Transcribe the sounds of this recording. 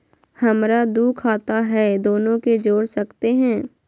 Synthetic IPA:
hɐmɾad̪uːkʰaːt̪aɦɛd̪oːnõked͡ʒoːɽsɐkt̪eɦɛ̃ː

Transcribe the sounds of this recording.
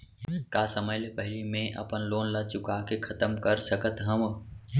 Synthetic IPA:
kaːsəməjlepəɦlimẽʔɐ̰pənloːnlɐt͡ʃʊkakekʰɐt̪əmkəɾsəkət̪ɦəm

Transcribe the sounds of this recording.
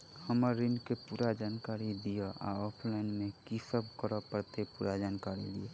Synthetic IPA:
həməɾːinkepuɾad͡ʒankaɾid̪ijəa̰ɔpʰlaɪnmekisəb̚ʱkəɾəpəɾt̪epuɾad͡ʒankaɾḭd̪ie

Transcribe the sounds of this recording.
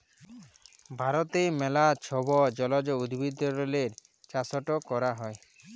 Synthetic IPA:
bʱaɾɔt̪emɛlat͡ʃʰɔbɔd͡ʒɔlɔd͡ʒɔud̪bid̪ɔɾɔleɾ | t͡ʃasɔʈɔkɔɾaɦɔe

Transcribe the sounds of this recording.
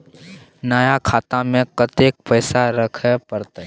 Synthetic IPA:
naːjakʰaːt̪amẽkət̪ek̚pəɪsaɾəkʰəpəɾt̪a

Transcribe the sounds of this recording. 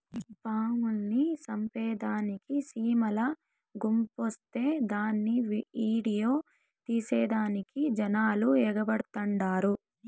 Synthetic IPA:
paːmulnisɐmpɛːd̪aːnikisiːmɐlɐ | ɡumpost̪e̞ːd̪aːnːiʋiːɽijo̞ː | t̪iːsɛːd̪aːnikid͡ʒɐnaːluɛːɡɐbɐɽt̪ɐɳɖaːɾu

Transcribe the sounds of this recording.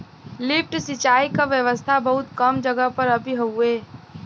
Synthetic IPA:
lɪp̚ʈsɪt͡ʃaːikaʋjəʋəst̪ʰabɐɦʊt̪kɐmd͡ʒəɡəpɐɾɐbʱiɦoueː

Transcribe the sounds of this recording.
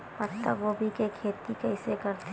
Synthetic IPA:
pɐt̪ːə̰ʋobʱikekʰeːt̪ikɛɪsekɐɾt̪

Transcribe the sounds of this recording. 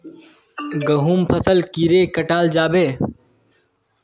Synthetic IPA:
ɡɐɦuːmpʰɐsəlkiɾeːkɐʈaːld͡ʒaːbeː

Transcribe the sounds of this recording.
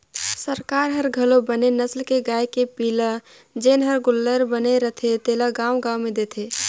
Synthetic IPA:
səɾkaːɾɦəɾɡʱəlobənenəslkeɡaːjkepiːlə | d͡ʒeːnɦəɾɡʊlːəɾbəneɾət̪ʰet̪eːlaɡaːwɡãːwmẽd̪eːt̪ʰe

